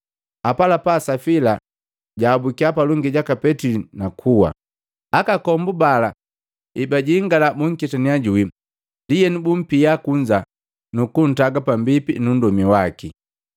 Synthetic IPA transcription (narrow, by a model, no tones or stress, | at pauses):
apalapasafila | ɟaːbukiapaluŋɡiɟakapɛtilinakʰuwa̰ | akakɔmbubala | ibaɟiːŋɡalabuŋ̩kitaniaɟui | ndijɛnubum̩pijakuɲd͡ʒa | nukun̩taɡapambipinun̩dɔmiwaki